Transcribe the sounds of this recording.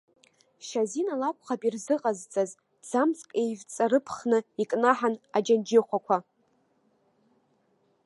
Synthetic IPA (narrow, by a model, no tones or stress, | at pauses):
ʃazinalakʷʼχapʼirzɨqʼazt͡sʼaz | d͡zamt͡sʰʼkʼejvt͡sʼaɾɨpʰχnɨikʼnaħanad͡ʒand͡ʒɪχʷakʷʰa